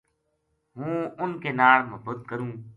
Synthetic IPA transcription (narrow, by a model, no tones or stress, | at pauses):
ɦũːʊnkeːnaːɭməbʊt̪̚kəɾũː